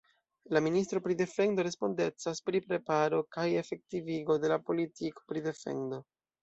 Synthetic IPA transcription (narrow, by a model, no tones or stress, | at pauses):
laministɾo̞pɾide̞fe̞ndo̞ɾe̞spo̞nde̞t͡saspɾipɾe̞paɾo̞kaje̞fe̞k̚tiviɡo̞de̞lapo̞litiko̥pɾide̞fe̞̰ndo̞